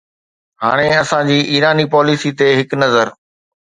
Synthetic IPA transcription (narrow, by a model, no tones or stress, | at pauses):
ɦa̰ːɽ̃eɐsãd͡ʑiːʔiːɾaːnipɔːlisit̪eɦɪknɐzəɾ